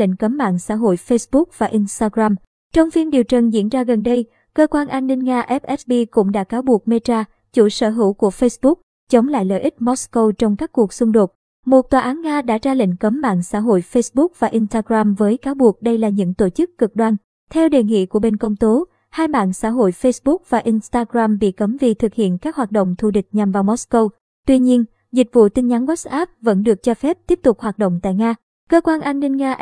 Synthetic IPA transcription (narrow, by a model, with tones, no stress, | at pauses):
ḭ˧˨ŋ̟kə˨˦mːa̰ː˧˨nsa̰ː˧˥ɦo̰˧˨jfe˧sɓʊ˦˥k̚vaː˨˩ʔi˧nst̪aː˧ɣɾaː˧m | t͡ɕɔ˧wŋ͡mfi˧nɗi˨˩əwt͡ɕə˨˩ŋzḭ˧˥ənzaː˧ɣə˨˩nɗə˧j | kəː˧kwaː˧nʔaː˧nːï˧ŋ̟ŋaː˧ʔɛ˦˥p̚ʔɛ˦˥s̚ɓi˧kʊ̰˧˥ŋ͡mɗa̰ː˧˥kaː˨˦wɓu˨˩ək̚me˧t͡ɕaː˧ | t͡ɕṵ˧˩sə̰ː˧˩ɦɨ̰˧˥˨wku˧˩əfe˧jsɓʊ˦˥k̚ | t͡ɕə˨˦wŋ͡mla̰ː˧˨jlə̰ː˧˨ʔï˦˥t̚mɔ˦˥skə˧wt͡ɕɔ˧wŋ͡mkaː˦˥kːu˨˩ək̚sʊ˧ŋ͡mɗo˨˩t̚ | mo˨˩t̚t̪waː˨˩ʔaː˨˦nŋaː˧ɗa̰ː˧˥zaː˧lḭ̈˧˨ŋ̟kə˨˦mːa̰ː˧˨nsa̰ː˧˥ɦo̰˧˨jfe˧sɓʊ˦˥k̚vaː˨˩ʔi˧nst̪aː˧ɣɾaː˧mvəː˨˦jkaː˨˦wɓu˨˩ək̚ɗə˧jlaː˨˩ɲɨ̰˧˥ŋt̪o˧˩t͡ɕɨ˦˥kːɨ˨˩k̚ɗwaː˧n | t̪ʰɛ˧wɗe˨˩nŋḭ˧˨ku˧˩əɓe˧nkə˧wŋ͡mt̪o˨˦ | haː˧jɓa̰ː˧˨nsa̰ː˧˥ɦo̰˧˨jfe˧jsɓʊ˦˥k̚vaː˨˩ʔi˧nst̪aː˧ɣɾaː˧mɓḭ˧˨kə˨˦mvi˧˩t̪ʰɨ˨˩k̚hḭ˧˨ənkaː˦˥k̚hwaː˨˩t̚ɗo̰˧˨wŋ͡mt̪ʰu˧˩ɗï˨˩k̟̚ɲa˨˩mvaː˨˩wmɔ˦˥skə˧w | t̪wi˧ɲi˧ən | zi˨˩k̚vṵ˧˨t̪ï˧ŋɲa˨˦nwa˦˥s̚ʔa˦˥p̚və̰˧˥nɗɨ˨˩ək̚t͡ɕɔ˧fɛ˦˥p̚t̪i˦˥əp̚t̪ʊ˨˩k͡p̚hwaː˨˩t̚ɗo̰˧˨ŋ͡mt̪a̰ː˧˨jŋaː˧ | kəː˧kwaː˧nʔaː˧nːï˧ŋ̟ŋaː˧ʔ